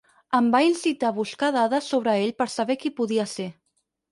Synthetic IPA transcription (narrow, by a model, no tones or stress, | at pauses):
əmbainsit̪aβuskaðaðəsːoβ̞ɾəeʎpəɾsaβɛkipuðiəse